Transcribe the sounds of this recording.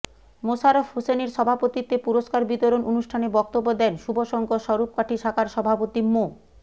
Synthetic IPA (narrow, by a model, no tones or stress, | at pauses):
mosaɾofɦoseneɾʃɔbʱapot̪it̪epuɾoʃkaɾbit̪oɾonʔonuʃʈʰanebɔk̚t̪obːod̪ɛnʃubʱoʃɔŋkoʃɔɾup̚kaʈʰiʃʰakʰaɾʃɔbʱapot̪imo